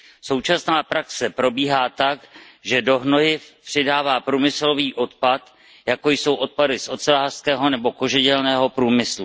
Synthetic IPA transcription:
so̞wt͡ʃasnaːpɾaksɛpɾo̞biːɦaːt̪ak | ʒɛdo̞ɦno̞ɦɪpr̝̥ɪdaːvaːpɾuːmɪslo̞viːʔo̞t̪pat̪ | jako̞jso̞wʔo̞t̪̚padɪsʔo̞sɛlaːr̥skɛːɦo̞nɛbo̞ko̞ʒɪɟɛlnɛːɦo̞pɾuːmɪslu

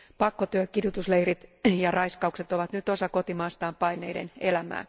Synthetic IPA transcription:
pɑkːot̪yøkidut̪usleirit̪jɑrɑiskɑukset̪oʋɑt̪nyt̪osɑkot̪imɑːst̪ɑːmpɑineidḛnelæmæ̰ː

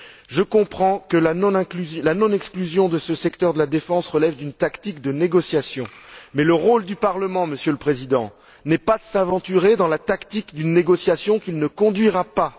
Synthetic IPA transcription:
ʒəkɔ̃pχɑ̃kəlanɔ̃nɛ̃klyzjlanɔ̃nɛksklyzjɔ̃d̪əsəsɛkt̪œʁd̪əlad̪efɑ̃sʁəlɛvd̪ynt̪akt̪ikd̪əneɡɔsjasjɔ̃mɛləʁold̪ypaʁləmɑ̃məsjøləpχezid̪ɑ̃ | nɛpad̪əsɛ̃vɑ̃t̪yʁed̪ɑ̃lat̪akt̪ikd̪ynːeɡɔsjasjɔ̃kilnəkɔ̃d̪ɥiʁapa

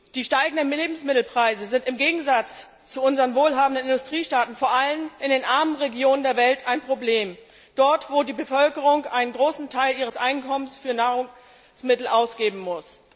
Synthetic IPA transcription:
d̥iːʃtaɪɡŋ̩dənmeːbm̩smɪtl̩pʁ̥aɪzəzɪntɪmɡeːɡŋ̩zat͡s | t͡suʔʊnzəʁənvoːlɦaːbm̩dənɪndʊstʁ̥iːʃtaːtn̩foːɐʔalənɪndeːnʔaɐmənʁeɡjoːnəndeːɐvɛltʰaɪnpʁ̥obleːm | d̥ɔɐtv̥oːdiːbəfœlkəʁ̞ʊŋʔaɪnənɡʁoːsn̩tʰaɪlʔiːʁ̞əsʔaɪnkʰɔmənsfyːɐnaːʁʊŋ | smɪtl̩ʔaʊsɡ̥eːbm̩mʊs

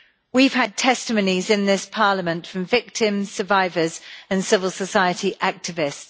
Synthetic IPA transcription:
wiv̥əd̚tʰɛstəmə̃ʊnizɪ̃nðɪspʰɑːləmə̃ntfɹə̃ɱvɪk̚tʰɪ̃mz̥səvaɪvəz̥ə̃nsɪvəlˠsəsaɪətʰiʔak̚tɪvɪsts

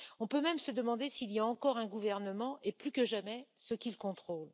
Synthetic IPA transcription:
ɔ̃pømɛmsəd̪əmɑ̃d̪esiːlijaɑ̃kɔʁɛ̃ɡuvɛʁnəmɑ̃ʔeplykəʒamɛsəkʲilkɔ̃t̪χol

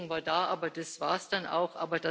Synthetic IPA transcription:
ŋvaːɐdaːʔaːbɐd̥asv̥aːɐsd̥anʔa̰ʊxʔa̰ːbɐd̥a

